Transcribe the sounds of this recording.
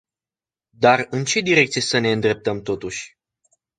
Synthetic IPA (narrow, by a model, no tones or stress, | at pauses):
d̪arɨnt͡ʃe̞d̪iɾe̞k̚t̪sijesəne̞ɨnd̪ɾe̞p̚t̪əmt̪o̞t̪uʃʲ